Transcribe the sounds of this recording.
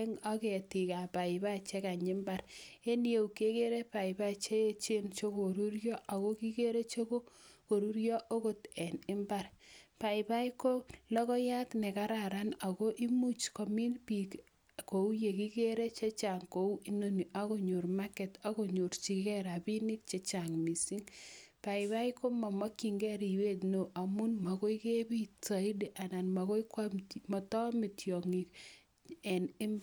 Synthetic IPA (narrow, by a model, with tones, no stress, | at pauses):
ŋa˦ke˨ti˨ka˨pa˨ɪ˨ba˦t͡ʃe˦ka˨ɲɪ˦mba˦ɾe˦n˦e˨u˨ke˦ke˦ɾe˦pa˨i˨ba˦t͡ʃe˦e˦t͡ʃe˦nt͡ʃo˦ko˨ɾu˦ɾjɔ˦ʔa˨ɣo˦ki˦ke˦ɾe˦t͡ʃo˦ko˦ko˨ɾu˦ɾjɔ˦ʔo˦ko˦tɛ˨nɪ˦mba˦rpa˨ɪba˦iko˦lɔ˦kɔ˦ja˦tnɛ˨ka˦ɾa˨ɾa˦na˨ko˦ʔi˦mu˦t͡ʃko˨mi˦npi˨k | ko˨u˦je˨ki˦ke˦ɾe˦t͡ʃe˦t͡ʃa˨ŋko˨u˦i˦no˦ni˨ʔa˦ko˦ɲo˨ɾma˦kɛ˨ta˦ko˦ɲo˨ɾt͡ʃi˨kɛ˦ɾa˨bi˦ni˦k̚t͡ʃe˦t͡ʃa˨ŋmi˨si˦ŋpa˨ɪ˨ba˦ɪ˦ko˦ma˨mɔ˦kːi˨ŋɡɛ˦ɾi˨we˦tno˨ʔa˨mu˦nma˨ko˦i˦ke˦bi˦ta˨i˦di˨ʔa˨na˨nma˨ko˦i˦ka˦mtmɔ˨tɔ˦mɪ˨tjɔ˨ŋi˨k | ɛ˨nɪ˦